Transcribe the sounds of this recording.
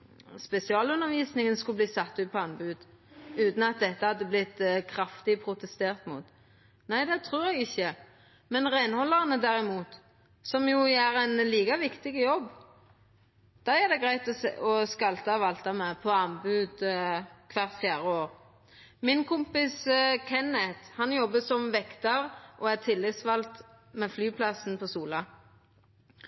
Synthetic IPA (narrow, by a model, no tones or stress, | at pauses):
spɛsɪɑːlʉnːəʋiːsnɪŋənskʉbliːsɑt̪ːʉːt̪̚pʰɔɑnbʉːd̪ | ʉːt̪n̩ɑt̪̚d̪ɛt̪ːəhɑd̪ːəblɪt̪ːkʰɾɑft̪ɪpʰɾʊt̪ɛst̪eːɾt̪mṵːt̪ | næɪd̪ɛt̪ʰɾuːɾɛɡɪçːə | mɛnʁæɪnhɔlːəʁənəd̪æɾɪmuːt̪ | sɔmjʊæɾɛnliːkɑʋɪkt̪ɪɡəjɔbː | d̪̥ɑæd̪ɛɡʁæɪt̪ɔɔskɑlt̪ɑʋɑlt̪ɑmɛpʰɔɑnbʉːd̪kʰʋæʁt̪fjæːʁəoːʁ | mɪnkʰʊmpɪskʰɛnɛt̪hɑnjɔbːəsɔmʋɛkt̪ɑʁʔɔːæt̪ʰɪlːɪt̪sʋɑlt̪ | mɛːflyːpʰlɑsn̩pʰɔsuːlɑ